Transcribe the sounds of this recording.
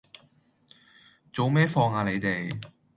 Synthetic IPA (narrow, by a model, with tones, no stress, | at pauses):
t͡so˨˧wmɛː˥fɔː˧ŋaː˨˧le˨˧jt̪e˨˩j